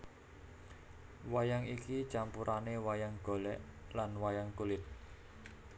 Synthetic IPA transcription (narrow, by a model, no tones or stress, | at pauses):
wajaŋikit͡ʃampuɾʔanewajaŋɡ̥o̤lɛ̰ʔlanwajaŋkulɪt̪̚